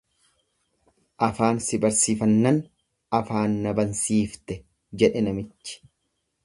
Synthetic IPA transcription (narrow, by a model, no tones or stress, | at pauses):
ʔɐfaːnsɪbɐɾsiːfɐnːɐn | ɐfaːnːɐbɐnsiːft̪ɛ | d͡ʒɛᶑɛnɐmɪt͡ʃːɪ̥